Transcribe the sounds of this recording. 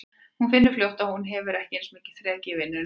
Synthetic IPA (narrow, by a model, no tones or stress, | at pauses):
hunfɪnːʏ̥ɾfljowht̪aðhunɦɛvʏɾɛhcɪensmɪcɪ̥θɾɛːcɪvɪnːʏ